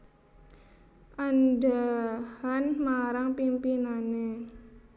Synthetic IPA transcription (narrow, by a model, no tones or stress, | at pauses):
ʔandahanmaɾaŋpimpinane